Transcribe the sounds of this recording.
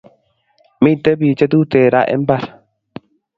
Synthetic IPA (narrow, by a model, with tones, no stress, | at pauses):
mĩ˦˨t̪e˦βi˨t͡ʃe˦t̪u˦t̪e˨ɾa̰˦ʔḛ˦mba˦ɾ